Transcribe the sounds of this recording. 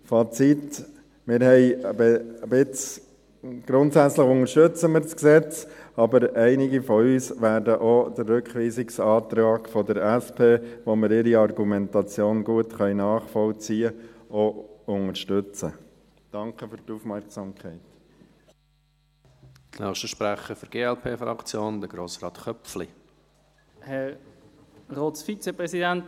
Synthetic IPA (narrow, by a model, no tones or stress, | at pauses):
fɑt͡sit | mɪɾhɛɪəbəbɪt͡s | ɡ̥ɾʊntsæt͡sləχʊŋəɾʃtɵt͡səmɪːɾsksɛt͡sɑbəɾɛɪnɪɡifɔyːsʋæːɾdəʔɔd̪̥ərːʉkχʋiːsɪksɑːt̪ɾɑːɡfɔd̪əɾæspʰeːʋoməɾɪɾiɑrɡumɛntɑt͡sjoːnɡuətχœʏnɑːχfɔlt͡siːəoʊŋəɾʃtøt͡sə | d̥ɑŋkəfʏɾtuːfmɛɾksɑmkʰɛɪt | tnœːχʃtəʃpɾæχəfəɾɡ̥eːɛlpʰeːfɾɑ̰kt͡sjoːnd̪əɡ̥ɾoːsɾɑːt̪χœpfli | hɛʁ | ʁoːtsfit͡sepɾɛsidænt